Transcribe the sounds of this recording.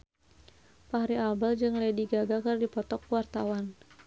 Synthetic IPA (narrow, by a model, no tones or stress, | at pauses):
paaɾiabald͡ʒɨŋlɛdiɡaɡakɨrdipɔt̪ɔkwart̪awan